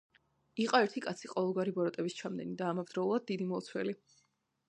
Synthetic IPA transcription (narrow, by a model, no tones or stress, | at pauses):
iqʼɔɛɾt̪ʰikʼat̪sʰiqʼɔvɛlˠɡwaɾibɔɾɔt̪ʼɛbist͡ʃʰamd̪ɛ̰nid̪aːmavd̪̥ɾɔulˠad̪̚ːid̪imɔt̪sʰwɛ̰li